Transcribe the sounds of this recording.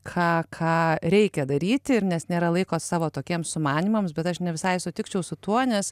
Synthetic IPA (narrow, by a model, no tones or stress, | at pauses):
kʰɑːkʰɑːɾʲɛɪkʲɛd̪ɐɾʲiːt̪ʲɪɾnʲɛsnʲeːɾɐlˠɐɪkoːsɑːʋoːt̪oːkʲiɛmssʊmɑːnʲiːmɐmsbʲɛt̪ɐʃnʲɛʋʲɪsɐɪsʊt̪ʲɪkt͡ʃʲɛʊsʊt̪uɔnʲɛs